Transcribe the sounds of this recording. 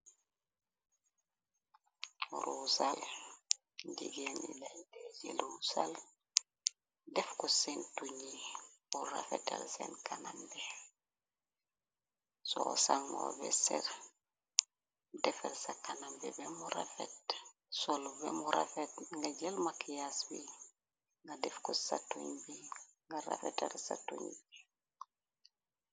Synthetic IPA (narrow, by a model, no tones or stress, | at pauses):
ɾusal | dḭɡenḭladeɟelusal | dɛfkosentuɲibuɾafḛtalsḛnkanambe | sosaŋɡo̰bɛ̰sɛ̰ɾ | dɛfɛlsakanambɛbɛmuɾafet | solubɛmuɾa̰fetŋɡaɟelmakijasbi | ŋɡadɛfkosatuɲbiŋɡaɾa̰fetalsa̰tuɲbi